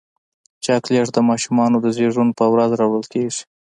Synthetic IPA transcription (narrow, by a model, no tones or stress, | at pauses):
t͡ʃakleʐd̪əmɑʃumɑnod̪əzeʐunpəwɾazɾɑwəlkeʐi̥